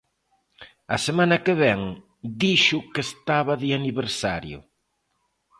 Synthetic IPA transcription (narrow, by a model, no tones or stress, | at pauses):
ɐsemãnɐkeβɛŋ | d̪iʃʊkest̪aβɐðɪaniβeɾsaɾjʊ̰